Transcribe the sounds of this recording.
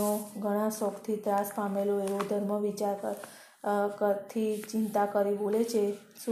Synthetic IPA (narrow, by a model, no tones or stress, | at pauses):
oɡʱəɽ̃ãsɔkt̪ʰit̪ɾaspameloeʋod̪ʱəɾməʋit͡ʃaɾkə | kət̪ʰit͡ʃɪnt̪akəɾibolet͡ʃʰe | s